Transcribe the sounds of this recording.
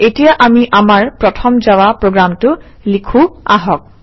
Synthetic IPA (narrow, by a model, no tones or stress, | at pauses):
etijaʔamiʔamaɹpɹɔtʰɔmd͡ʒawapɹoɡɹamtʊ | likʰua̰ɦɔk̚